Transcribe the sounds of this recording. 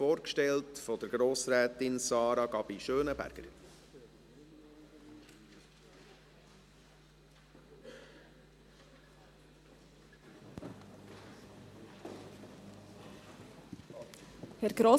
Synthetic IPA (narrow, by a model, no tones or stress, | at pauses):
oːɾkʃtɛltfɔd̥əɾɡɾoːsɾæːt̪ɪnsɑːɾɑɡɑb̥iʃøːnəbæ̰ɾɡ̥ə̰ɾ | hɛɾɡɾoː